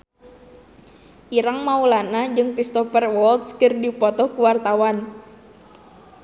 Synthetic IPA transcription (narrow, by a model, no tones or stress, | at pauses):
ʔiɾaŋmaulanad͡ʒɨŋkɾist̪ɔfərwɔlt̪skɨrdipɔt̪ɔhkuwart̪awan